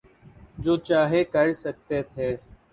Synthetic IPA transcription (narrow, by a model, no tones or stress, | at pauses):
d͡ʒoːt͡ʃaːɦeːkəɾsək̚t̪eːt̪ʰeː